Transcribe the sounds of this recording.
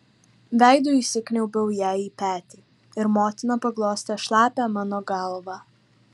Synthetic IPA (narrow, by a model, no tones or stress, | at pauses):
ʋɛjd̪uisɪknʲɛwbəwjɛipɛːt̪i | ɛɾmɔt̪napaɡlˠɔːst̪ɛʃlˠaːpɛmənɔɡalˠɔʋa